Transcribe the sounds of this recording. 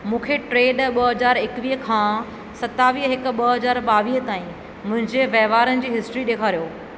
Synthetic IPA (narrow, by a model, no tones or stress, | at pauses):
mũːkʰeʈɾeːɖɓɐɦɐzaːɾɪkʋiːɦkʰãː | sɐt̪aːʋiːɦɦɪkʊɓɐɦɐzaːɾɓaːʋiːɦt̪aːĩ | mʊ̃ɦɪ̃ɲd͡ʑeʋɐɦʋaːɾənɪ̆d͡ʑiːɦɪsʈɾiɗeːkʰaːɾijoː